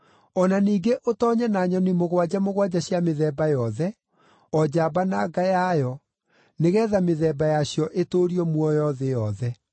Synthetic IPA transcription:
ɔnaniːɡeʔotɔːɲɛnaɲɔnimoɣwad͡ʑamoɣwad͡ʑaɕjameðɛːbajɔðɛ | ɔd͡ʑabanaɡajajɔ | neɣɛːðameðɛːbajaɕjɔʔetoɾiɔmwɔjɔðejɔðɛ

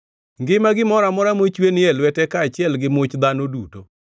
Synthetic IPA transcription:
ŋɡɪmaɡɪmɔɾamɔɾamot͡ʃwenɪɛlwɛtɛkaːt͡ʃɪɛlɡɪmʊt͡ʃd̪anoduto

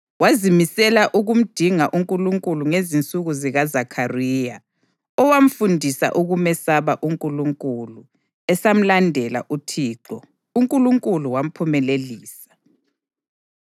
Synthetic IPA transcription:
wazimisɛlaʔuɣum̩d̥ʱiŋaʔuŋkʼuluŋkʼuluŋezint͡sʼuɣuziɣazakʰarija | ɔwam̩fundʱisa̰ʔuɣumɛsaβaʔuŋkʼuluŋkʼulu | ɛsam̩landʱɛla̰ʔutʰiːǁɔ | uŋkʼuluŋkʼuluwam̩pʰumɛleliːsḁ

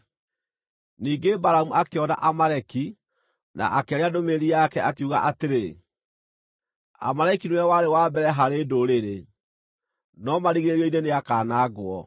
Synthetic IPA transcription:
niːŋɡebaɾamuakeɔna̰ʔamaɾɛki | na̰ʔakɛɾeadomeɾiakɛʔakeuɣa̰ʔateɾe | a̰maɾaikinwɛwaɾewaːbɛɾɛɦaɾeːdoɾeɾe | nɔmaɾiɣeɾiɔineneakaːnaːɡwɔ

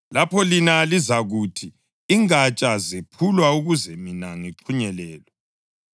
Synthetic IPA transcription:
lapʰɔlinalizaɣutʰi | iŋat͡ʃʼazepʰulwauɣuzɛminaŋiǁʰuɲɛlɛːlwɛ

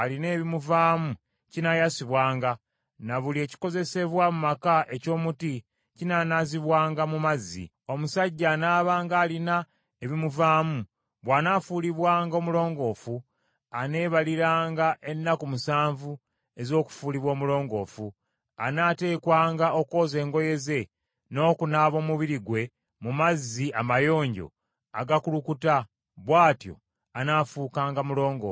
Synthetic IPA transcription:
aline̞ːβimuvaːmu | cinajasiβwaːŋɡa | naβulie̞ːci̥ko̞ze̞se̞βwamumakaʔe̞co̞ːmuti | cinanaziβwaːŋɡamumazḭ | o̞musaɟːaːnaːβaːŋɡaːlina | eβimuvaːmu | βwaːnafuːliβwaːŋɡoːmulo̞ːŋɡo̞ːfu | ane̞ːβaliɾaːŋɡaʔe̞nːakumusaːɱvu | e̞zo̞ːku̥fuːliβwo̞ːmulo̞ːŋɡo̞ːfu | anaːte̞ːkwaːŋɡaʔo̞ko̞ːze̞ːŋɡo̞je̞ze̞ | no̞ːkunaːβo̞ːmuβiɾiɡwe̞ | mumazːiamajo̞ːɲɟo̞̰ | a̰ɡakulukuta | βwaːtjo̞̰ | anaːfuːkaːŋɡamulo̞ːŋɡo̞̰ːf

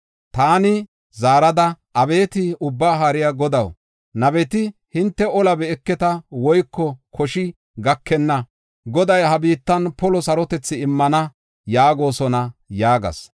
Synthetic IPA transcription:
t̪aːnɪ | zaːɾɐd̪ɐʔɐbe̞ːt̪ɪʊbːaːɦaːɾɪjaɡɔd̪ɐw | nɐbɛt̪ɪhɪnt̪ːɛɔlɐbɛɛkːɛt̪ɐwɔjkːɔkʰɔʃɪ | ɡɐkʰːɛnːɐ | ɡɔd̪ɐjhɐbiːt̪ːɐnpɔlɔsɐɾɔt̪ɛt͡sːɪɪmːɐnɐ | jaːɡo̞ːsɔnɐjaːɡɐ̰s

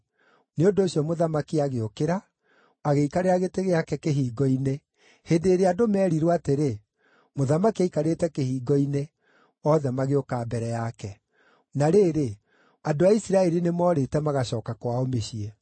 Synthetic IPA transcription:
neondoːɕjɔmoðamakiaɣeokeɾaː | ɣeikaɾeɾaɣeteɣeakɛkeɦiːɡɔine | hendeːɾeadomɛːɾiɾwateɾe | moðamakiaikaɾetɛkehiːɡɔine | ɔːðɛmaɣeokaːbɛɾɛjakɛ | naɾeːɾe | adoaisiɾaɛɾinemɔɾetɛmaɣaɕɔːkakwaomeɕiɛ

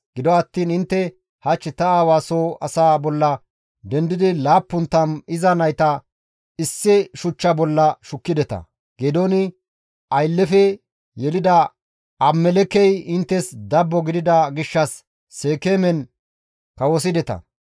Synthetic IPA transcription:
ɡ̥ɪd̪ɔɐt̪ːiːnɪnt̪ːɛ | hɐt͡ʃːɪt̪ɐaːwaːsoːɐsaːbɔlːɐ | d̪ɛnd̪ɪd̪ɪlaːpːʊnt̪ːɐmɪzɐnɐjt̪ɐ | ɪsːɪʃʊt͡ʃːɐbɔlːɐʃʊkːɪd̪ɛt̪ɐ̰ | ɡ̥ed̪oːnɪ | ɐjlːɛfɛ | jɛlɪd̪ɐ | ʔɐmːɛlɛkɛjɪnt̪ːɛsd̪ɐbːɔɡɪd̪ɪd̪ɐɡɪʃːɐsː | eːkeːmɛn | kɐwɔs̬ɪd̪ɛt̪ɐ̰

